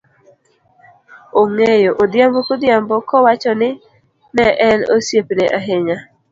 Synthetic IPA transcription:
oŋejoʔod̪jambɔkod̪jambɔkɔwat͡ʃɔnɪ | nɛʔɛno̰sjepneʔaɦɪɲa

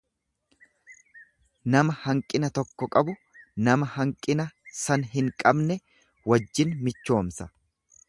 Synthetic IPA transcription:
nɐmɐhɐŋkʼɪnɐt̪ɔkːɔkʼɐbʊ | nɐmɐhɐŋkʼɪnɐsɐnɦɪŋkʼɐbnɛ | wɐd͡ʒːɪnmɪt͡ʃːo̞ːmsɐ

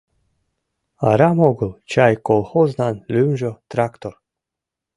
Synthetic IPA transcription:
ɑɾɑmoɡəlˠt͡ɕɑjkolˠχoznɑnlʲymʒot̪rakt̪or

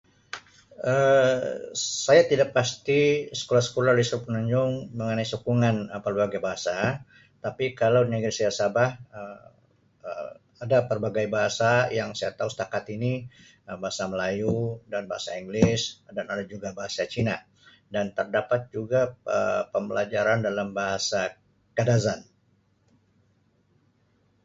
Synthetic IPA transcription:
ə | sajat̪idaʔpast̪isə̥kolasə̥kolalisɾpənuɲd͡ʒʊŋməŋənaisukuŋanpərbaɡajbaɦasa | t̪apikalawdinəɡɾisajasabahə | ə | adapərbaɡajbaɦasajaŋsajat̪ausə̥t̪akat̪ini | əbaɦasaməlajudanbaɦasaiŋɡlɪsdanadad͡ʒuɡabaɦasat͡ʃina | dant̪ərdapat̪̚d͡ʒuɡaəpəmbəlad͡ʒaɾandalambaɦasa | kadazan

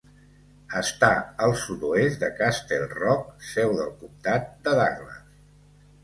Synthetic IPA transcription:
əst̪aəlˠsut̪uesd̪əkast̪elˠrɔk̚sɛwðəlˠkumt̪at̪̚d̪əðaɣlə̰s

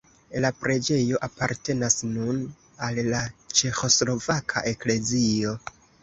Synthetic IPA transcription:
lapɾe̞d͡ʒe̞jo̞ʔapaɾte̞nasnun | alːat͡ʃe̞xo̞slo̞vakʰa̰ʔe̞kle̞zio̞

